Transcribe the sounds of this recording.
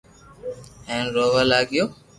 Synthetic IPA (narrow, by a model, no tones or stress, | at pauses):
ɛ̃ːnɾoːʋaːlaːɡɪjoː